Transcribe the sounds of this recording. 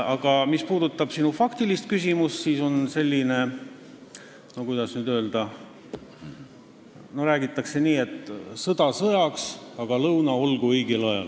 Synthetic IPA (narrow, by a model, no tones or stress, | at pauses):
ɑɡ̥ɑmispuːd̪ut̪ːˑɑb̥sinufɑkt̪ilist̪̚kys̬ʲimust̪siːso̞nse̞lʲːine̞ | no̞kujd̪̥ɑsnyːd̪ø̞ːld̪̥ɑ | no̞ɾæːɡit̪ːˑɑkse̞niːe̞t̪ːsɤd̪̥ɑsɤjɑksɑɡ̥ɑlɤwnɑo̞lɡ̥uɤjɡelɑjɑ̰l